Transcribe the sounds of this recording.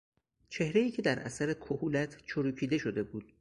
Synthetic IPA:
t͡ʃʰe̞hɾe̞jiːcʰe̞d̪æɾʔæ̰sæɾekʰohuːlæt̪ʰt͡ʃʰoɾuːcʰiːd̪e̞ʃo̞d̪e̞buːd̪̥

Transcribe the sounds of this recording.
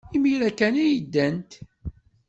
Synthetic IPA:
imiɾækænæjəd̪ːænt̪

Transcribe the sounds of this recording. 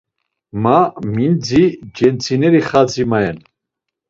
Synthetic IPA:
mamind͡zid͡ʒɛnt͡sʰinɛɾiχad͡zimaɛn

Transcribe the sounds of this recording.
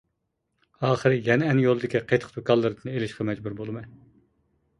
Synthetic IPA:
ɑːχəɾɨjɛnɛɛnjolˠɨd̪ɪkʲiqʰejt̪ʰə̥qd̪okʰɑlˠːɨɾɨd̪ɨnelɪʃqɑmɛd͡ʒbuɾbolˠɨmɑn

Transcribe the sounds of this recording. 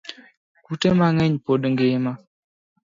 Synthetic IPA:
kutemaŋɛɲpodŋɡɪma

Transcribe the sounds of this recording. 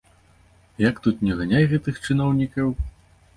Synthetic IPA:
jakt̪ut̪nʲɛɣanʲajɣɛt̪ɨxt͡ʂɨnɔwnʲikɐw

